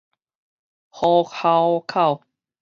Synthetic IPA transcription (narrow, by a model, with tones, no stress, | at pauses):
hɔ˧kʰa˧wkʰa˥˩w